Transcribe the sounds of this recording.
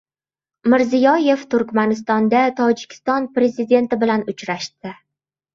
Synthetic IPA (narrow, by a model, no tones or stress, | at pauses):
mɪɾzijɒje̞ft̪ʰʊɾkʲmanɪst̪ɒnd̪at̪ʰɒd͡ʒɪ̥kʲʰɪ̥st̪ɒnpɾe̞zɪd̪e̞nt̪ɪbɪlanʊt͡ʃɾaʃt̪ɪ